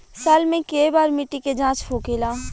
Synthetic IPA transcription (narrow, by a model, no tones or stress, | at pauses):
saːlmẽkeibaːɾmɪʈːiked͡ʒãːt͡ʃpʰoːkeːlaː